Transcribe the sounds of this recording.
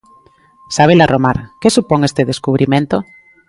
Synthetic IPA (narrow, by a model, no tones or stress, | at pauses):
saβ̞elaromaɾkesupoŋest̪eðeskuβ̞ɾimẽnt̪o